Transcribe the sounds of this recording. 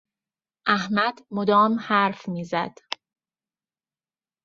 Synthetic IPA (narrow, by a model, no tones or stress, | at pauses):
ʔæhmæd̪̥mod̪ɒːmhæɾfmiːzæd̪̥